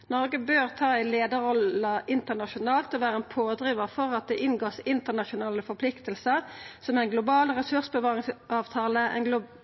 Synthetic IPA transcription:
nɔʁɡəbøːʁt̪ʰɑːɛɪleːd̪əɾɔlɑʔɪnt̪ənɑʃʊnɑːlt̪ɔʋæːʁəɛnpʰoːd̪ʁiːʋɑfɔʁɑt̪̚d̪ɛːʔɪnɡoːsɪnt̪ənɑʃʊnɑːləfɔpʰlɪkt̪əlsəʁsɔmɛɪnɡlʊbɑːlʁɛsʉʁsbəʋɑːʁɪŋsɑːʋt̪ʰɑːləʔɛ̰nɡlʊ

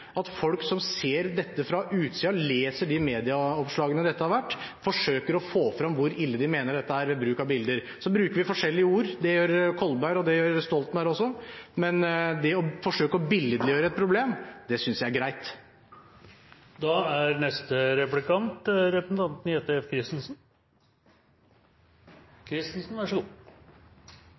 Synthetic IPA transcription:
ɑt̪fɔlksɔmseːɾd̪ɛt̪ːəfɾɑʔʉːt̪siːɑleːsəɖɪmeːd̪ɪɑɔpʂlɑːɡənəd̪ɛt̪ːəhɑɾʋæʈːfɔʂøːkəɾɔfoːfɾɑmʋʊɾɪlːəd̪ɪmeːnəɖɛt̪ːəæːɾʋɛbɾʉːkɑbɪld̪əɾ | sɔbɾʉːkəɾʋɪfɔʂɛlːɪəuːɾd̪ɛjøːɾkʰɔlbæɪɾɔd̪ɛjøːɾst̪ɔlt̪mɛæɾɔsːɔmɛnd̪ɛɔfɔʂøːkəɔbɪləd̪lɪjøːɾəɛt̪̚pʰɾʊbleːmd̪ɛsʏnsjæɪæɾɡɾæɪt̪ | d̪ɑːæɾnɛst̪əɾɛplɪkɑnt̪ɾɛpsn̩ɑnt̪nɪheːt̪əkʰɾɪst̪n̩sn̩ | kʰɾɪst̪n̩sn̩ʋæʂəɡuː

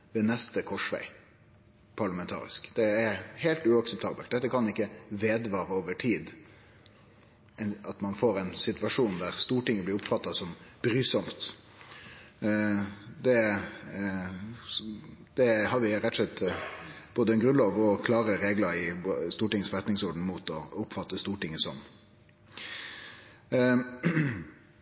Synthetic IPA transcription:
ʋɛːnɛst̪əkʰɔʂʋæ̰ɪ | pʰɑɭɑmɛnt̪ʰɑ̰ːɾɪ̰skd̪̥ɛːɾheɪlt̪ʉɑksɛp̚t̪ʰɑːbəlt̪̚d̪ɛt̪ːəkʰɑnɪkːəʋeːd̪ʋɑːɾəoːʋəʈʰiːd̪ | ɛɑt̪mɑnfoːɾɛɪnsɪt̪ʋɑʂuːnd̪æʁst̪uːʈɪŋːəblɪɾʊpfɑt̪ːɑsɔmb̥ɾyːsɔmt̪ | d̪ɛ | d̪̥ɛhɑɾʋɪɾɛt̪ʰːɔslɛt̪ː | b̥oːd̪əɛnɡʁʉnlɑːʋɔkʰlɑːɾəɾeːɡlɑɾɪst̪uːʈɪŋːəsfɔɛt̪nɪŋsɔɖɳ̩muːt̪ɔʊpːfɑt̪ːəst̪uːʈɪŋːəsɔm

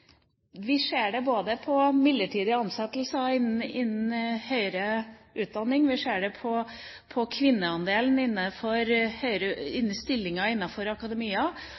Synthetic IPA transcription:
ʋɪʂeːɖɛboːd̪əpʰɔmɪd̪ːəʈʰiːd̪ɪɑnsɛt̪lsɑɪnɪnːn̩hœʏɾə | ʉːt̪̚d̪ɑnːɪŋʋɪʂeːɖɛpʰɔ | pʰɔkʰʋɪnːəɑnd̪eːln̩ɪnːəfɔɾhœʏɾəɪnːn̩st̪ɪlːɪŋɑɪnːɑfɔɾɑkɑd̪ɛmiːɑ

